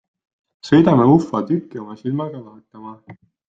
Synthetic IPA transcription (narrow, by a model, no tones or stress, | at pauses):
sɤ̞jd̪ɑmeufːɑt̪ykːio̞mɑsilmɑɡ̥ɑlɑɦet̪ːˑɑmɑ